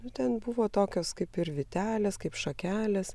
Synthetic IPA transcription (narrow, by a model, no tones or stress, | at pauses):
nʊt̪ʲɛnbʊʋoːt̪oːkʲoːskɐɪpɪɾʋʲɪt̪ʲæːlʲeːskɐɪpʃɐkʲæːlʲɛs